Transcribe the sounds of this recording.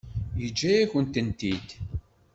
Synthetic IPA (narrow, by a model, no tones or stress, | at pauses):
jəd͡ʒːæjæçənt̪ənt̪id̪